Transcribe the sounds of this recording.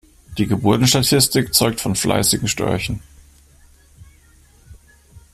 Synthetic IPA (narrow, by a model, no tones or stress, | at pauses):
d̥iːɡəbʊɐtn̩ʃtatʰɪstɪkt͡sɔʏk̚tfɔnflʔa̰ɪsɪɡŋ̩ʃtœ̰ɐçn̩